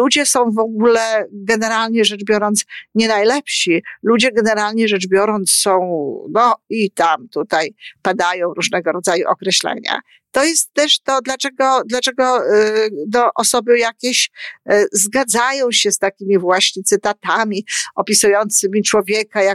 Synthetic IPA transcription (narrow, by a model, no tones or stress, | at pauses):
lud͡ʑɛsɔ̃w̃vɔɡulɛɡɛnɛɾalɲɛʐɛd͡ʐbʲjɔɾɔnt̪sɲɛnajlɛpɕilud͡ʑɛɡɛnɛɾalɲɛʐɛd͡ʐbʲjɔɾɔnt̪ssɔ̃w̃nɔit̪amt̪ut̪ajpad̪ajɔ̃w̃ɾuʐnɛɡɔɾɔd̪zajṵʔɔkɾɛɕlɛ̰ɲa̰ | t̪ɔjɛst̪ːɛʂt̪ɔd̪lat͡ʂɛɡɔd̪lat͡ʂɛɡɔ | nɔʔɔsɔbɘjakʲeɕ | zɡad̪zajɔ̃w̃ɕɛst̪akʲimʲivwaɕɲɛt̪sɘt̪at̪amʲiɔpʲisujɔnt̪sɘmʲit͡ʂwɔvʲjɛkaja